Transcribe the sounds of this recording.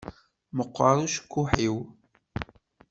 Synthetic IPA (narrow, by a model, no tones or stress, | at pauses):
məqʷːɑɾˤuʃə̥kːuħiw